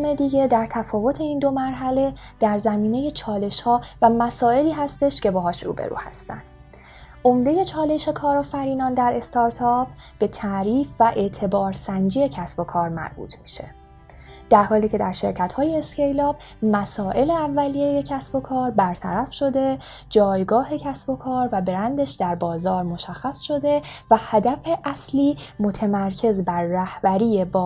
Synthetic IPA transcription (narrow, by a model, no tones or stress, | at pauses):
me̞d̪iːɟe̞d̪æɾt̪ʰæfɒːvo̞t̪ʰe̞iːnd̪omæɾɦæle̞d̪̥æɾzæmiːne̞jet͡ʃʰɒːle̞ʃhɒːvæmæsɒːe̞liːɦæst̪e̞ʃce̞bɒːɦɒːʃrṵbḛɾṵːhæ̰st̪æ̰nd̪̥ | ʔo̞md̪e̞je̞t͡ʃʰɒːle̞ʃe̞kʰɒːɾɒːfæɾiːnɒːnd̪æɾe̞st̪ɒɾt̪ʰɒp̚ʰ | b̥e̞t̪ʰæʔɾiːfvæʔe̞ʔt̪ʰe̞bɒːɾsænd͡ʒiːje̞cʰæsbo̞kʰɒːɾmæ̰ɾb̥ṵːt̪ʰmi̥ʃe̞̰ | d̪̥æɾhɒːliːcʰe̞d̪æɾʃe̞̰ɾcʰæt̪hɒːje̞ːsce̞jlɒːb | mæsɒːʔe̞le̞ævːælijeje̞cʰæsb̥o̞kʰɒːɾbæɾt̪ʰæ̰ɾæfʃo̞d̪e | d͡ʒɒːjɡɒːɦe̞cʰæsb̥o̞kʰɒːɾvæbe̞ɾænd̪eʃd̪æɾbɒːzɒːɾmo̞ʃæxːæsʃo̞d̪e̞væhæd̪æfe̞ʔæsliːmo̞t̪ʰemæɾcʰe̞zbæɾːæhbæɾiːjebɒː